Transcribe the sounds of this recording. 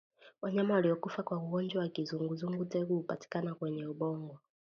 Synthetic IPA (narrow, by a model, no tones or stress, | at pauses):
waɲamawaliɔkufakwauɡɔnd͡ʒwawakizuŋɡuzuŋɡutɛɡuhupati̥kanakwɛɲɛuɓɔŋɡwɔ